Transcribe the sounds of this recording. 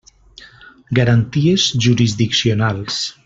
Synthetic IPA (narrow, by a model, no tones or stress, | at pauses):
ɡaɾant̪iezʒuɾizðiksionalˠs